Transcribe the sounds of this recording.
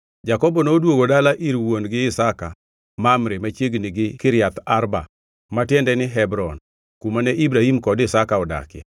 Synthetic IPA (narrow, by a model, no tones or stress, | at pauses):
d͡ʒakɔbɔnodwoɡodalaʔiɾwonɡɪɪsaka | mamɾemat͡ʃjeɡnɪɡɪkɪɾjat̪aɾba̰ | matjɛndɛnɪɦɛbɾɔn | kumanɛʔibɾahimkɔdɪsakaɔda̰kɛ̰